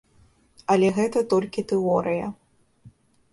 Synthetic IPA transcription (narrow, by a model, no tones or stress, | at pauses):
ɐlʲɛɣɛt̪ɐt̪ɔlʲkʲit̪ɛɔɾɨjɐ